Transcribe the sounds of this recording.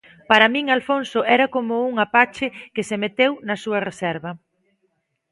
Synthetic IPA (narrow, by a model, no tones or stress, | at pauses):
paɾɐmĩŋalfonsʊʔɛɾɐkomʊuŋapat͡ʃɪkɪsemet̪ewnɐsuɐresɛɾβɐ